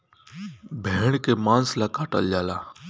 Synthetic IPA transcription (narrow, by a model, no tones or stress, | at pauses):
bʱeːɳkeːmãːnslaːkaːʈə̰ld͡ʒaːlaː